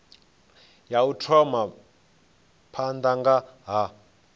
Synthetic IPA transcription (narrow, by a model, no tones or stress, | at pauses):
jautʰɔma | pʰand̪aŋɡaɦa